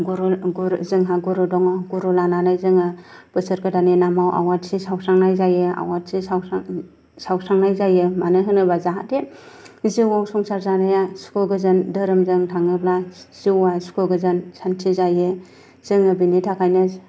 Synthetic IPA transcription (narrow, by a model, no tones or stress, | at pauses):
ɡuɾɡuɾzɯŋɦaɡuɾɯdɔŋaɡuɾulananajzɯŋɯ | b̥ɯsɯɾkɯdanenamawʔa̰watsisawsaŋnajzajɯa̰watsisawa | sawsaŋnajzajɯmanɯɦɯnɯbazaɦa̰de | ziwaŋsɔŋsaɾzanajaskʰɯɡɯzɯndɯɾɯmzɯŋtʰaŋɯblaz̥iwaskʰoɡɯzɯnsantʰizajɯ | z̥ɯŋɯbinitʰakʰajnɯ